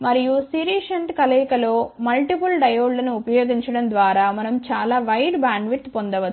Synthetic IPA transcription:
mɐɾijusiɾiːʃɐɳʈkɐlɐːkɐlo̞ːmɐlʈipulɖɐjoːɖlɐnuupɐjoːɡiɲt͡ʃɐɽɐnd̪ʋaːɾaːmɐnɐmt͡ʃaːlaːʋɐjɖbaːɳɖʋit̪pond̪ɐʋɐ

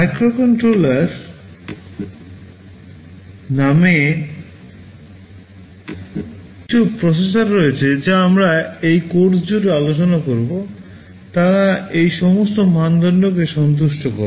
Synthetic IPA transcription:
majkɾokɔɳʈɾolaɾ | name | ʈupɾɔses̬aɾːoet͡ɕʰed͡ʑaamɾaejkoɾsd͡ʑuɾalot͡ɕonakoɾbo | t̪aɾaejʃɔmost̪omand̪ʱonɖok̬eʃɔnt̪̬uʃʈoko̰ɾ

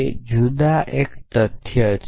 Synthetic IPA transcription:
d͡ʒud̪aʔekt̪ət̪ʰjət͡ʃ

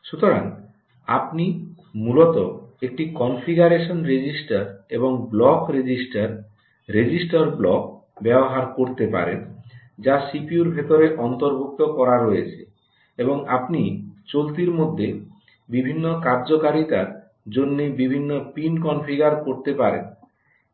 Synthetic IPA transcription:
ʃut̪oɾa̰ŋ | a̰pni | mulot̪oek̚ʈikɔnfʰiɡaɾeʃonɾed͡ʑisʈaɾeboŋblɔkɾed͡ʑisʈaɾː | ed͡ʑisʈaɾblɔk | bɛboɦaɾkoɾt̪epa̰ɾḛn | d͡ʑasipiuɾbʱet̪oɾeʔɔnt̪oɾbʱuk̚t̪okɔɾaɾoet͡ɕʰe | eboŋapnit͡ɕolt̪iɾmod̪ʱːe | bibʱinːokaɾd͡ʑokaɾit̪aɾ | d͡ʑonːibibʱinːopinkɔnfiɡaɾkoɾt̪epaɾḛn

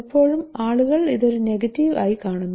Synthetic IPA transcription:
ipːo̞ːɻumaːɭuɣɐɭiðo̞ɾune̞ɣɐtːiʋa̰ːjikaːɳunːɐ

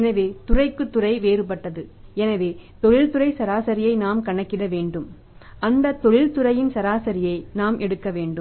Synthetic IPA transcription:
ɛnɐʋeːt̪ʊrɐɪkːɯt̪ːɯrɐɪʋeːɾɯp̬ɐʈːɐðɯɛnɐʋeːt̪ɔɻɪlt̪ɯɾɐɪsɐɾaːsɐɾɪjɐɪnaːmkɐɳɐkːɪɽɐʋeːɳɖɯm | ʔɐnd̪ɐt̪ɔɻɪlt̪ɯɾɐjɪnsɐɾaːsɐɾɪjɐɪnaːmʔɛɽɯkːɐʋeːɳɖɯm

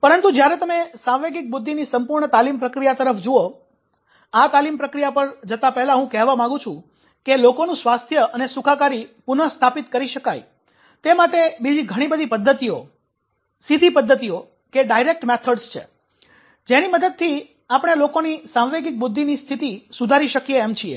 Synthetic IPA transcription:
pəɾənt̪ud͡ʒjaɾet̪əmesãʋʋeɡik̚bʊd̪ʱːinisəmpuɾɳət̪alimpɾəkɾijat̪əɾəfd͡ʒuo | at̪alimpɾəkɾijapəɾd͡ʒət̪apɛɦlaɦũkɛɦʋamãŋɡũt͡ʃʰũ | kelokonũsʋast̪ʰjəʔənesukʰakaɾipunəst̪ʰapit̪kəɾiʃəkaj | t̪emaʈebid͡ʒiɡʱəɽ̃ibəd̪ʱipəd̪ʱːət̪io | sid̪ʱipəd̪ʱːət̪io | keɖaiɾek̚ʈmɛt̪ʰəɖst͡ʃʰḛ | d͡ʒeniməd̪əd̪̚t̪ʰi | apəɽ̃elokonisãʋʋeɡik̚bud̪ʱːinist̪ʰit̪isud̪ʱaɾiʃəkieːmt͡ʃʰiḛ

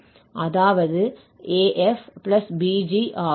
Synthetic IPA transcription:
ʔɐðaːʋɐðɯ | eːʔɛfplɐsbiːd͡ʒiʔaː

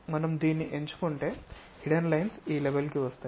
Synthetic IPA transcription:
mɐnɐmd̪iːnːiʔeɲt͡ʃu̥koɳʈeː | hiɽɐnlɐjnsiːleʋelkiʋɐst̪ɐ

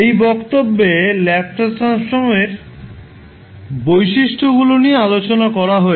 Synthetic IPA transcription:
ejbɔkt̪obːelɛp̚ʈasɾansɾomeɾ | bojʃiʃʈʰoɡuloniealot͡ɕonakɔɾaɦɔe

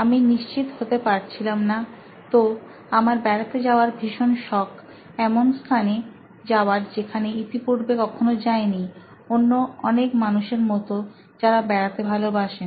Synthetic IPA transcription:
aminiʃt͡ɕit̪ɦot̪epaɾt͡ɕʰilamna | t̪o | amaɾbɛɽat̪ed͡ʑaoaɾbʱiʃonʃɔkʰ | ɛmonst̪ʰane | d͡ʑaoaɾd͡ʑekʰaneit̪ipuɾbekɔkʰonod͡ʑaeni | onːoɔnekmanuʃeɾmɔt̪o | d͡ʑaɾabɛɾat̪ebʱalobaʃen

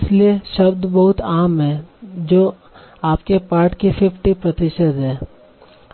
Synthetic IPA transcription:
ɪslieʃɐbd̪bɐɦʊt̪aːmɦɛ̃ːd͡ʒoː | aːpkepaːɾʈkifɪfʰʈipɾɐt̪ɪʃəd̪ɦɛː

